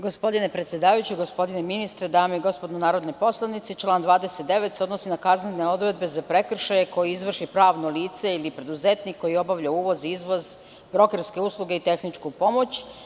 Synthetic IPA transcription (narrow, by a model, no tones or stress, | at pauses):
ɡo̞spo̞d̪ine̞pɾe̞t̪sjed̪aːʋajut͡ɕiɡospo̞d̪ineminist̪ɾed̪aːmeiɡo̞spod̪nonaːɾo̞d̪nopo̞slˠanit̪sit͡ʃlˠaːnd̪ʋaːd̪e̞set̪̚d̪e̞ʋet̪seo̞d̪nosinakazneneo̞d̪ɾe̞d̪̚be̞zapɾe̞kr̩ʃajeko̞jiizʋr̩ʃipɾaːʋnoliːt̪se̞ilipɾe̞d̪uze̞t̪nikːo̞jio̞baʋʎauːʋo̞ziizʋo̞z | bɾo̞kerske̞uslˠuɡeit̪e̞xnit͡ʂkupo̞mo̞t͡ɕ